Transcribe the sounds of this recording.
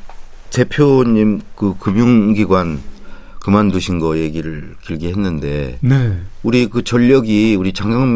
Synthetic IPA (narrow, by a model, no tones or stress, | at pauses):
te̞pʰjoɲimkɯkɯmjuŋɡiɡwan | kɯmanduɕʰinɡʌje̞ɡiɾɯɭkiɭɡiɦe̞nːɯnde̞̰neuɾikɯt͡ɕʌʎːʌɡiuɾit͡ɕaŋɡaŋ